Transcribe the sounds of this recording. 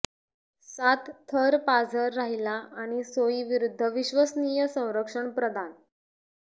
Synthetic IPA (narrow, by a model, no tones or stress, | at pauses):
sat̪ʰːəɾpad͡zʱəɾːaɦilaʔaɽ̃isoiʋiɾud̪ʱːəʋiɕʋəsniːjəsə̃w̃ɾəkʂəɳpɾəd̪ʱan